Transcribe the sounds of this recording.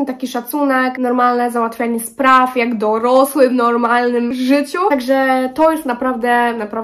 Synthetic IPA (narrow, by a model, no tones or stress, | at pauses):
t̪akʲiʂat̪sunɛknɔɾmalnɛzawat̪fʲjaɲɛspɾafjaɡd̪ɔɾɔswɘvnɔɾmalnɘmʐɘt͡ɕuaɡʐɛt̪ɔjɛst̪napɾavd̪ɛnapɾav